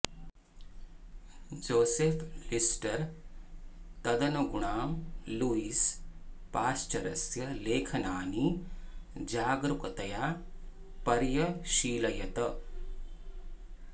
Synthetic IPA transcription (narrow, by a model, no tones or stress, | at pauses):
d͡ʒoːseːfʰlisʈɐɾ | t̪ɐd̪ɐnuɡuɳaːmluiːspaːst͡ʃɐɾɐsjɐleːkʰɐnaːni | d͡ʒaːɡɾukɐt̪ɐjaː | pɐɾjɐʃiːlɐjɐt̪ɐ